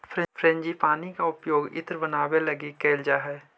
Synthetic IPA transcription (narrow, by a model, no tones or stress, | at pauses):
fʰɾɛ̃fʰɾẽɲd͡ʒipaːnikaʊpjoːɡɪ̰t̪ɾbənaːwelɐɡikeːld͡ʒaɦɛː